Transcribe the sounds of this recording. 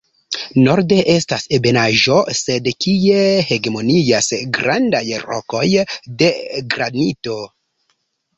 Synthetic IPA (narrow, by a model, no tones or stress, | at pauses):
no̞ɾde̞ʔe̞stasebe̞naʒo̞se̞dkie̞he̞ɡemo̞niasɡɾandajɾo̰ko̞jde̞ɡɾanito̞